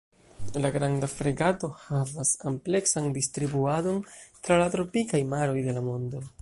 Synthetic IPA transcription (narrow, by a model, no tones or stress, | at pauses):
laɡɾandafɾeɡato̞havasample̞ksandistɾibuado̞ntɾalatɾo̞pikajmaɾo̞jde̞lamo̞ndo̞